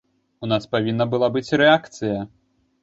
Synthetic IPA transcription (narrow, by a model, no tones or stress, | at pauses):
unaspavʲinːɐbɨlˠabɨt͡sʲɾɛakt̪sɨjɐ